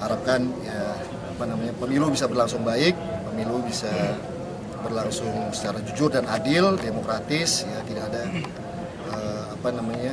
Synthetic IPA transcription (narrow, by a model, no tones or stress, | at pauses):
haɾap̚kanjaː | panamaɲapəmilubisabərlaŋsʊŋbaɪk̚pəmilubisa | bərlaŋsʊŋsə̥t͡ʃaɾad͡ʒud͡ʒʊrdanadɪldemokɾat̪ɪsjat̪idakːda | ə | apanamaɲa